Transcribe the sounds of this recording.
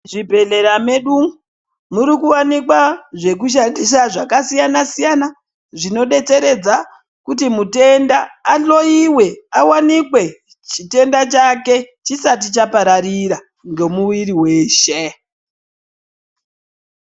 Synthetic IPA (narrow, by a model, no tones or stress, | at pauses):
ʐibʱe̞ɮe̞ɾame̞ɗu | muɾikuwanikwaʐe̞k̬uʃ̬andiʃ̬aʐakasijanasijana | ʐino̞ɗe̞t͡se̞ɾe̞d͡za | kutimute̞ndaːɬo̞iwe̞awanikwe̞ | t͡ʃite̞ndat͡ʃake̞t͡ʃisat̬it͡ʃapaɾaɾiɾa | ŋɡe̞muwiɾiwe̞ːʃe